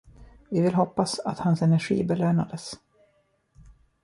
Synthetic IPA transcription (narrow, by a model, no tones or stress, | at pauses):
vɪvɪlɦɔpːasat̪hansɛnæɾɧḭːbɛløːna̰d̪əs